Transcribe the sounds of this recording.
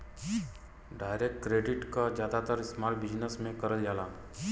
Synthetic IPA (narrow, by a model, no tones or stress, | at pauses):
ɖaːɪɾekʈkɾeːɖɪʈkad͡ʒjaːd̪at̪əɾɪsmaːɾʈbɪd͡ʒnəsmẽkəɾəld͡ʒaːla